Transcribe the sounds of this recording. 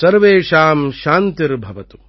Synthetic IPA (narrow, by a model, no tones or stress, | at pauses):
sɐɾʋeːʃaːmʃaːnt̪iɾbʱɐʋɐt̪u̥